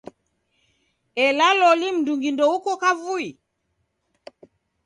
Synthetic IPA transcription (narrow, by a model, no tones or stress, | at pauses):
ɛlalɔlim̩duŋɡindɔukɔkavui